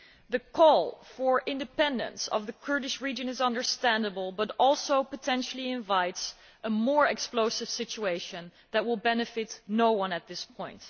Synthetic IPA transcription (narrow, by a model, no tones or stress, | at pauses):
ðɨkʰɔlˠfə˞ʔɪ̃ndɨpɛ̃ndə̰̃nsʌ̰vðɨkʰɜ˞ɾɨʃɹid͡ʒɨ̃nɨzʌ̃ndə˞stæ̃ndəbəlˠbʌɾɔlˠsoʊpətʰɛ̃nʃl̩ˠiɪ̃ɱvaɪts | ʔəmɔɹɛksploʊsɨv̥sɪt͡ʃueɪʃɨ̃n | ðɨt̚wɪlˠbɛnɨfɪtⁿnoʊwʌ̃nɨt̪̚ðɪspʰɔ̃ɪ̃nt